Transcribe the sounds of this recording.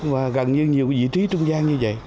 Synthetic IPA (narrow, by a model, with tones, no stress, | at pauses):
vaː˨˩ɣə˨˩nɲɨ˧ɲi˨˩əwvḭ˧˥t͡ɕʰi˨˦t͡ɕʊ˧wŋ͡mzaː˧ŋɲɨ˧və̰˧˨j